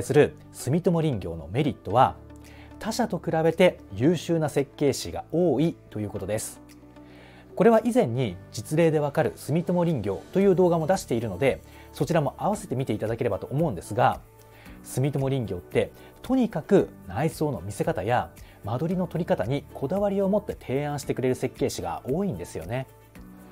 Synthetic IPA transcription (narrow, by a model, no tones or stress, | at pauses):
sɨɾɯ̟ | sɨmʲit̪omoɾʲĩŋɡʲo̞̰ːno̞̰me̞ɾʲit̪ːo̞β̞a | t̪ʰaɕat̪o̞kɯ̟ɾabe̞t̪e̞jɯːɕɨːnase̞kːe̞ːɕiɡa̰o̞ːit̪o̞jɯ̟ːko̞t̪o̞d̪e̞sɨ̥ | ko̞ɾe̞βaʔizẽ̞ɲ̟ːid͡ʑit͡sɨɾe̞ːd̪e̞βakaɾɯ̟̰sɨmʲit̪omoɾʲĩŋɡʲo̞ːt̪o̞jɯ̟ːd̪o̞ːɡamo̞d̪aɕi̥t̪e̞iɾɯ̟no̞d̪e̞ | so̞t͡ɕiɾamo̞ʔaβ̞ase̞t̪e̞mʲit̪e̞it̪ad̪ake̞ɾe̞bat̪o̞ːmo̞ɯ̟̃nd̪e̞sɨɡa | sɨmʲit̪omo̞ɾʲĩŋɡʲo̞ːt̪ːe̞ | t̪ʰo̞ɲ̟ikakɯ̟naiso̞ːno̞̰mʲise̞kat̪aja | mad̪o̞ɾʲino̞t̪o̞ɾʲikat̪aɲ̟ikʰo̞d̪aβaɾʲio̞mo̞t̪ːe̞t̪ʰe̞ːãɰ̃ɕi̥t̪e̞kɯ̟ɾe̞ɾɯ̟se̞kːe̞ːɕiɡa̰o̞ːĩnd̪e̞sɨjo̞̰ne̞